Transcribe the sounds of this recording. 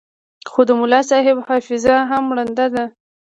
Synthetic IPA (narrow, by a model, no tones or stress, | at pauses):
xod̪əmʊlɑsɑɦɪbhɑfɪzaɦamːɽand̪ad̪a